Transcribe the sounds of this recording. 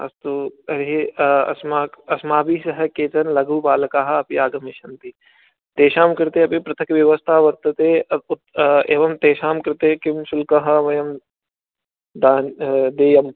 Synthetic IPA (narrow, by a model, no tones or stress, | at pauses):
ɐ̰st̪uɐɾɦiɐ̰smaːɐsmaːbisɐɦɐkeːt͡ʃɐnlɐɡuːpaːlɐkaːɦɐ̆ɐpiaːɡɐmiʃɐnt̪i | t̪eːʃaːmkɐɾt̪eɐpipɾɐt̪ʰɐkʋjɐʋɐst̪ʰaːʋɐɾt̪ɐt̪e | eːʋɐmt̪eːʃaːmkɐɾt̪ekɪmsʊlkɐɦɐʋɐjɐm | d̪aːnd̪eːjɐm